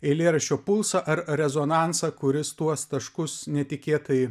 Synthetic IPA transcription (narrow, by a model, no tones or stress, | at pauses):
ɛɪlʲeːɾɐʃʲt͡ʃʲoːpʊlˠsɐʔɐɾɾʲɛzoːnɑˑnsɐkʊɾʲɪst̪uɔst̪ɐʃkʊsnʲɛt̪ʲɪkʲeːt̪ɐjɪ